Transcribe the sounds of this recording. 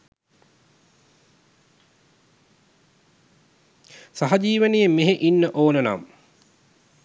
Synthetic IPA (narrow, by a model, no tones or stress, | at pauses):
saɦad͡ʒiːʋənijemeɦeʔinːəʔoːnəna̰m